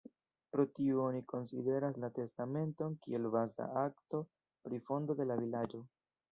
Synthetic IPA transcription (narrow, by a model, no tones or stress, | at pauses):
pɾo̞tiuoniko̞nsḭde̞ɾaslate̞stame̞nto̞nkie̞lbaza̰akto̞ | pɾifo̞ndo̞de̞lavilad͡ʒo̞